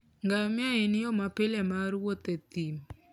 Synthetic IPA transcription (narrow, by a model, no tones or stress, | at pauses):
ŋɡamjaenɪjɔmapɪlemaɾwot̪et̪im